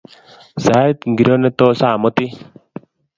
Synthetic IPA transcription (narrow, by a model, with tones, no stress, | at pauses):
sa˨˦t̪ŋɡi˨ɾo˦nɛ˦t̪oː˦saː˦˨mɔ˦t̪i˦